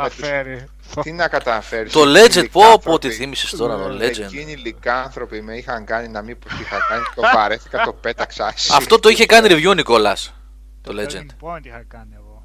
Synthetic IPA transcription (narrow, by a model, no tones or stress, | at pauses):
t̪inɐkɐt̪ɐfeɾist̪oled͡ʒend̪̚popot̪iθimisi̥st̪o̞ɾɐt̪oled͡ʒ̪inilikɐɐnθɾo̞pimeixɐŋɡɐninɐmipot̪ixɐkɐniofɐɾeθikɐt̪o̞pet̪ɐksɐsɐft̪o̞t̪oiçe̞kɐniɾivʝunikolɐs | t̪oled͡ʒend̪ | n